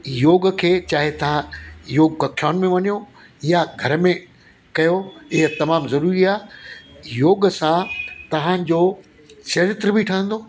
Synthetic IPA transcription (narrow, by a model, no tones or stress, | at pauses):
joːɡkʰeːt͡ɕaːɦɪt̪ɐʋ̤ãjoːɡkɐkʰaːnmẽʋɐɲijo | ɪjaɡʱɐɾəmẽ | kɐjoɪɦət̪ɐmaːmzɐɾuːɾiaːɦ | joːɡsãt̪ɐʋ̤ãd͡ʑoː | sɐɾɪt̪ɾəbiʈʰɐ̃ːɦə̃n̆d̪oː